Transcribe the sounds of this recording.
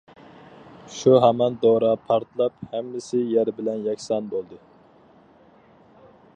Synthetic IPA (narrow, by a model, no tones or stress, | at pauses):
ʃuɦæmɛnd̪oɾɑpʰɑɾt̪lˠɑphɛmːɪsɪjæɾbɪlɛnjɛkʲsɑnbolˠd̪ɨ